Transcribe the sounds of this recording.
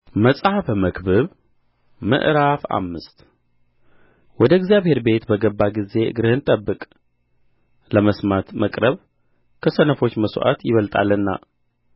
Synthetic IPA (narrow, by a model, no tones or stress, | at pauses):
məsʼhafməkbɨβ | mɨ̰ʔɾafa̰mːɨst̪ | wɔd̪əɛɡzjaβhe̞ɾbe̞t̪bəɡəbːaɡize̞ɨ̰ɡɾɨhɨnt̪ʼəbːɨkʼ | ləməsmat̪məkʼɾəβ | kʰəsənəfo̞t͡ʃːməsʔa̰t̪jɪβəlt̪ʼa̰lːɨnːa̰